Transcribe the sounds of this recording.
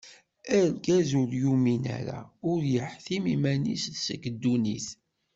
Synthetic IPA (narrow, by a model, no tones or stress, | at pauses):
æɾɡæzuɾjuminæ̰ɾa̰ʊɾjəħθimimænḭsðsəkəd̪ːuniθ